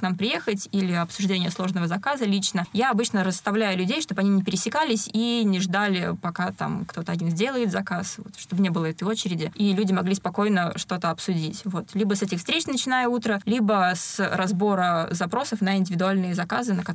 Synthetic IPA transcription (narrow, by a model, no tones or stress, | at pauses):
knampɾʲɪje̞xətʲilʲɪɐpsʊʐdʲenʲɪjəslˠo̞ʐnəvəzɐkazəlʲit͡ɕnəjaɐbɨt͡ɕnəɾəst̪ɐvlʲæjʊlʲʉdʲejʂt̪o̞bɐnʲinʲɪpʲɪɾʲɪsʲɪkalʲɪsʲinʲɪʐd̪alʲɪpɐkat̪a̰mkt̪o̞t̪əɐdʲinzʲdʲe̞lˠəjɪt̪zɐkasvo̰t̪ʂt̪obnʲebɨlˠəɛt̪əjo̞t͡ɕɪɾʲɪdʲɪilʲudʲɪmɐɡlʲispɐko̞jnəʂt̪o̞t̪əɐpsʊdʲitʲvo̞t̪lʲibəsɛtʲɪxfst̪ɾʲet͡ɕnət͡ɕɪnajəut̪ɾəlʲibəsrɐzbo̞ɾəzɐpɾo̞səfnəɪnʲdʲɪvʲɪd̪ʊalʲnɨjəzɐkazɨnəkɐ